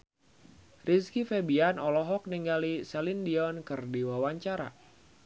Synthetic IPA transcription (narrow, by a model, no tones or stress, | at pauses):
riskifebianɔlɔɦɔk̚niŋɡalisɛlindiɔnkɨrdiwawaɲt͡ʃaɾa̰